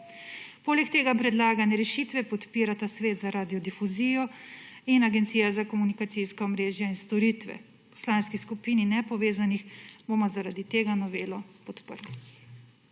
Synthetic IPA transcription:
poːlɛkt̪eːɡapɾɛd̪laːɡanɛɾɛʃiːt̪ʋɛpɔt̪piːɾat̪asʋeːt̪zaɾaːd̪ijɔd̪ifuziːjɔinaɡɛnt̪siːjazakɔmunikat̪siskaɔmɾeːʒjainst̪ɔɾiːt̪ʋɛ̰ | pɔ̥slanskiskupiːninɛpɔʋeːzanixbomɔzaɾad̪it̪eːɡanɔʋeːlɔpɔt̪pə̰ɾli

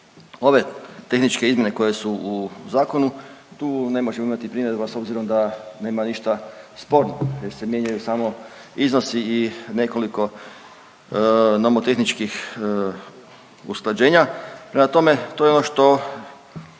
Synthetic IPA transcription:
o̞ʋe̞t̪e̞xnit͡ʃke̞izmje̞ne̞ko̞je̞suuzaːko̞nut̪uːne̞mo̞ʒemoimat̪ipɾiːmjeɾuʋaso̞bziɾo̞md̪ane̞ːmaniʃt̪aspo̞ːɾnojeɾse̞mje̞ɲajusaːmo̞ | izno̞siːne̞ko̞liko̞ | nomot̪e̞xnit͡ʃkix | usklˠad͡ʑe̞ːɲapɾe̞mat̪o̞me̞t̪o̞jeo̞noʃt̪o̞

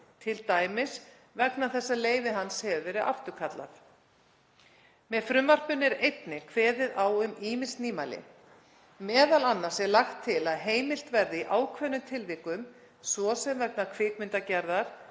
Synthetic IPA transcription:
t̪ʰɪlt̪aːjmɪs | vɛknaθɛsːaleːjvɪɦanshɛvvɛːɾɪðʔa̰ft̪ʏɾkʰat̪la̰θ | mɛðfɾʏmvar̥pʏnːɛɾejt̪nɪkʰvɛːðɪðawʏmiːmɪnst̪niːmajlɪ̰ | mɛːðalanːaɾ̥sɛɾlaxt̪ʰːɪlaðɦeːjmɪl̥t̪vɛɾðɪiʔaːwkʰvɛnʏt̪ʰɪlviːkʏm | svɔsɛmvɛk̚nakʰv̥ɪːkmɪnt̪acɛɾðaɾ̥

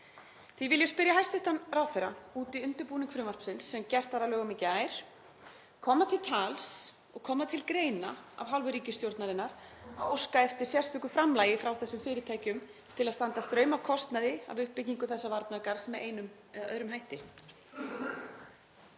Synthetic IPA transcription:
θivɪljaspɪɾjaɦajst̪ʏht̪anraːwθɛɾa̰uːt̪iʏnt̪ʏɾpuːnɪkʰɾʏmvar̥psɪnsːɛmcɛr̥t̪vaɾalœːɣʏmɪcɪaːjɾ̥ | kʰɔːmat̪ʰɪlt̪ʰaːls | ɔ̰ɣkʰɔːmat̪ʰɪlkɾeːjnaa̰vɦalvʏɾiːcɪst̪jowɾt̪naðɪnːaɾ̥aowskaɛft̪ɪɾ̥sjɛ̥st̪ʏkʏfɾamlaːjɪfɾawθɛsːʏmfɪːɾɪt̪ʰaːjcʏm | t̪ʰɪlaðst̪ant̪ast̪ɾœːɥmavkʰɔst̪naðɪa̰vʏhpːɪciŋkʏθɛsːavaɾt̪naɾkaɾ̥smɛðejnʏm | œ̰ːɾʏmɦajht̪ɪ

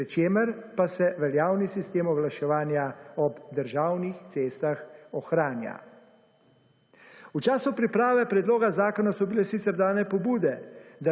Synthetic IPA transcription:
ɛt͡ʃeːməɾpasɛʋɛljaːwnisist̪eːmɔɡlaʃɛʋaːnjaɔbd̪əɾʒaːwnixt̪seːst̪axɔxɾaːnja̰ | ut͡ʃaːsupɾipɾaːʋɛpɾɛd̪loːɡazaːkɔnasɔbilɛsit̪sɛɾd̪aːnɛpɔbuːd̪ɛd̪a

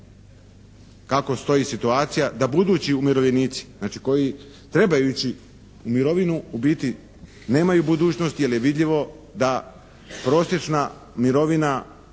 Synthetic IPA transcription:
kako̞st̪o̞jiːsit̪uaːt̪sijad̪abud̪uːt͡ɕiumiɾoʋʎʲeniːt̪si̥znaːt͡ʃi̥ko̞ji | t̪ɾe̞bajut͡ɕi | umiɾo̞ʋinuubit̪i | ne̞ːmajubud̪uːt͡ɕnost̪jelje̞ʋid̪ʎiʋo̞ | d̪a | pɾo̞ːsje̞t͡ʃna | miɾo̞ʋina

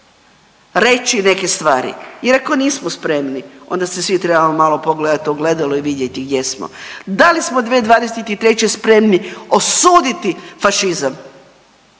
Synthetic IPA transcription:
ɾe̞t͡ɕine̞ke̞st̪ʋaːɾḭjeɾako̞niːsmospɾe̞mnio̞̰nd̪asesʋit̪ɾe̞bamomaːlopoɡled̪at̪oɡle̞d̪aloiʋid̪jet̪iɡd̪jesmo̰d̪alismod̪ʋeːd̪ʋaːd̪eset̪it̪ɾe̞t͡ɕespɾe̞mnio̞suːd̪it̪ifaʃizam

